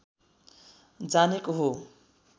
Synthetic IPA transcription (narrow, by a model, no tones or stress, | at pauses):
d͡zanekoɦo